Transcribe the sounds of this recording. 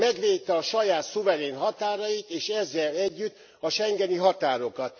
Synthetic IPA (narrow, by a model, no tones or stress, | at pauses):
mɛɡʋeːtt̪ːɛɒʃɒjaːt̪suvɛɾeːnɦɒt̪aːɾɒjit̪eːʃɛzːɛlɛɟːyt̪ː | ɒʃɛŋɡɛniɦɒt̪aːɾo̞kɒt̪̚